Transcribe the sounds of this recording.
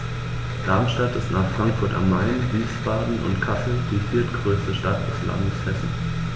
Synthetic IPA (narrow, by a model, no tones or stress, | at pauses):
d̥aɐmʃtatɪstnaːχfʁ̥aŋkfʊɐta̰mːaɪnviːsfaːdn̩ʔʊ̰ntkʰasl̩d̥iːfiːɐtɡ̥ʁøːstəʃtata̰ʊsla̰ndəshɛsn̩